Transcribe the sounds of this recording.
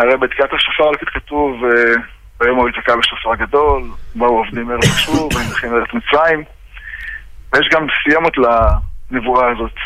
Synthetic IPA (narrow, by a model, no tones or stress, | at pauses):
aʁejbeːd̪kiat̪aʃafaʁalkit̪katuve | bajo̞maizakabeʃafaʁɡad̪o̞lbauovd̪imeʁevʃuvvaizaχimeʁetmit͡sʁaim | vejeʃɡamsijo̞mut̪lanevuaːzo̞t̪